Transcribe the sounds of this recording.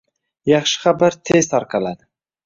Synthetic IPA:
jɑχʃɪ̥χabaɾt̪ʰest̪ɑɾqalad̪ɪ

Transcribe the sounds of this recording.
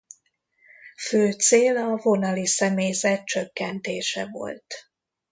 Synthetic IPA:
føːt̪seːlɒvo̞nɒlisɛmeːjzɛt̪̚t͡ʃø̞kːɛnt̪eːʃɛvo̞̰lt̪

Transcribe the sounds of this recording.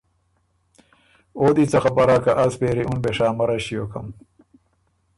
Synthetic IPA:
oːd̪it͡sɐxɐpɐɾakaʔɐspeːɾiunbeʂaːmɐɾɐɕijoːkɐm

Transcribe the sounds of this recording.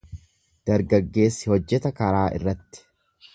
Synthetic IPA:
d̪̥ɐɾɡɐɡːe̞ːsːɪhɔd͡ʒːɛt̪ɐkɐɾaːʔɪ̰rːɐt̪ːɪ̥

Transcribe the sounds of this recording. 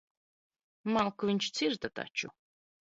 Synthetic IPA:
malˠkuviɲt͡ʃt̪siɾt̪at̪a̰t͡ʃu

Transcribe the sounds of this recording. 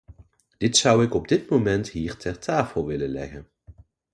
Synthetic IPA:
d̥ɪtsʌwɪkɔb̚dɪtmowmɛntɦiːɹtʰɛɹtʰaːfəlˠʋɪlənlɛ̰ɣən

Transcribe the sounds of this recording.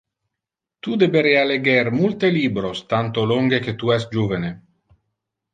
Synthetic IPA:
t̪ud̪ebeɾealeɡɛrmult̪eliːbɾost̪ant̪oloŋɡeket̪uɛst̪̚d͡ʒuvene

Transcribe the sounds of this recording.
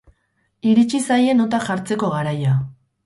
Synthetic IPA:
iɾit͡ʃisaje̞no̞t̪aʝaɾt͡se̞ko̞ɣaɾaja

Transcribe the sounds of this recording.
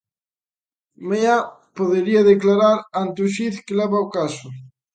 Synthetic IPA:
meapoðeɾiɐðeklaɾaɾant̪uʃiθkelɛβaokasʊ

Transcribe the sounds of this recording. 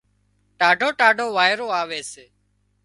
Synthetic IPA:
ʈaːɖʱoːʈaːɖʱoːʋaːɪɾoːaːʋeːseː

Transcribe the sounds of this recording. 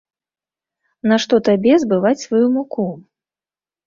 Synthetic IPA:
naʂt̪ɔt̪abʲɛzbɨvat͡sʲsvajumuku

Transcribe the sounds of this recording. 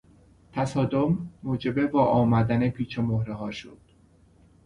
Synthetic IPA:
t̪ʰæsɒːd̪omːoːd͡ʒe̞be̞vɒːʔɒːmæd̪ænepʰiːt͡ʃʰemohɾeɦɒːʃo̰d̪̥

